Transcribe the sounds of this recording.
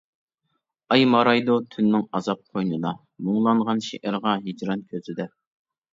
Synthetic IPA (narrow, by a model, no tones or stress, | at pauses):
ɑjmɑɾɑjd̪ot̪ʰynːɪŋɑzɑp̚qʰojnɨd̪ɑ | muŋlˠɑɴʁɑnʃeʔæɾʁɑɦid͡ʒɾɑnkʲʰøzɪd̪ɛ